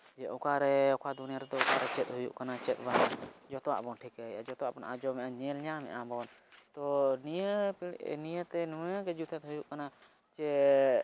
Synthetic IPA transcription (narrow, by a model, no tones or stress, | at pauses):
d͡ʒɛʔukaɾɛɔkʰad̪unijaɾɛd̪ɔɔkaɾɛt͡ʃɛt̪̚ɦujṵʔkanat͡ʃɛt̪̚ˀbanad͡ʒɔt̪ɔwa̰ʔbɔnʈʰikəad͡ʒɔt̪ɔwaʔbɔnʔad͡ʒɔmɛʔaɲɛ̃lɲamɛ̰ʔabɔnt̪ɔniəpinijət̪ɛnuɛəkɛd͡ʒut̪ʰɛt̪ɦujuʔkana | t͡ʃɛ